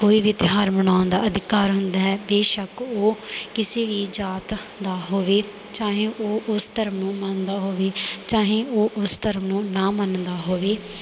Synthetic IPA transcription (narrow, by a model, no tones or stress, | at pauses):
koːiːʋɪt̪ɪɦaːɾməɳ̃aːnd̪aːəd̪ɪkaːɾɦʊnd̪aːɦɛːbeːʃəkoːkɪseːʋiːd͡ʒaːt̪ | d̪aːɦoːʋeː | t͡ʃãːɦẽːʔoːʔʊst̪əɾəmnũːmənd̪aːɦoːʋeːt͡ʃãːɦẽːʔoːʔʊst̪əɾəmnũːnãːmənd̪aːɦoːʋeː